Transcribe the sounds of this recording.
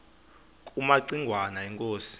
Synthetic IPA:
kʼumaǀiŋɡʱwanaɛŋkʼoːsi̥

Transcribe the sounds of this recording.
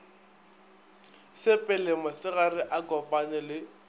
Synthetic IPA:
sɪpʼɪlɪmasɪɣarɪʔakɔpʼanɪlɪ

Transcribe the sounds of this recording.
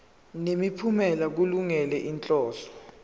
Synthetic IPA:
nemipʰumɛlak̬uluŋɛlɛʔint͡ɬʼɔːɬɔ̥

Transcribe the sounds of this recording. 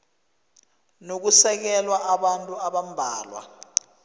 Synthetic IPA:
nok̬usɛk̬ɛlwaʔaɓantʼuaɓam̩bʱaːlwa̰

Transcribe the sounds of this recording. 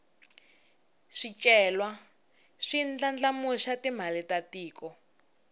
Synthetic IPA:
ʂit͡ʃʼɛːlwa | ʂind͡ɮand͡ɮamuʃatim̤alitatiːkɔ

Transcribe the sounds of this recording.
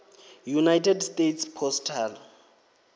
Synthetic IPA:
junajtʰɛdstetʰspʰɔstʰal

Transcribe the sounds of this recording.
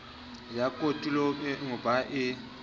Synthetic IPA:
jakʼotʼuloŋʊbaʔɪ

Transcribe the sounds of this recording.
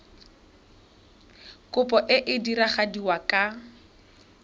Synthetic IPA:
kʊpʼɔʔɪʔɪdiɾaχadiwakʼa

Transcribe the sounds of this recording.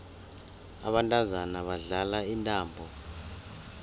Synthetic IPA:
a̰ɓantʼazanaɓaɮalaintʼaːmbʱɔ

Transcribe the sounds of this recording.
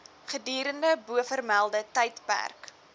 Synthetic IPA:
χədiːɾəndəbuəfərmælˠdətɛjtpæ̰rk

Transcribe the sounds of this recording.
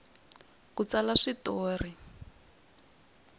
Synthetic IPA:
kut͡salaʂitoːri

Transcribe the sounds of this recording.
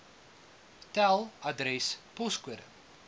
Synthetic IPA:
tælˠɐdɾɛspɔskuəɾə̰

